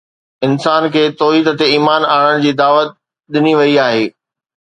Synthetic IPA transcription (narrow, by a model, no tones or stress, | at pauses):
ɪnsaːnkʰeːt̪ɔːɦiːd̪ət̪eiːmaːnaːɽəɽ̃d͡ʑiːd̪aːʋət̪̚ | ɗɪniʋɐiaːɦeː